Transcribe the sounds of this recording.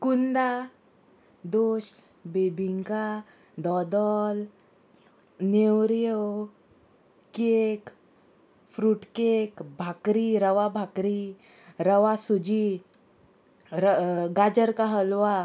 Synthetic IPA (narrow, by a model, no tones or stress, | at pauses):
kund̪a | d̪oɕ | bebʱiŋka | d̪ɔd̪ɔl | newɾjəw | kek | fɾuʈkekbʱakɾiɾəʋabʱakɾi | ɾəʋasud͡ʑi | ɾəɡad͡ʑəɾkaɦəlʋa